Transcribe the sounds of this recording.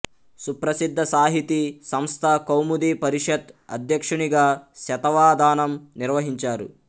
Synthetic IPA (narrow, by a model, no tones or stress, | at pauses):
supɾɐsid̪ʱːɐsaːɦit̪isɐmst̪ʰakɐwmud̪iːpɐɾiʂɐt̪ɐ̰d̪ʱjɐkʂuɳiɡaːʃɐt̪ɐʋaːd̪aːnɐmniɾʋɐɦiɲt͡ʃaːɾṵ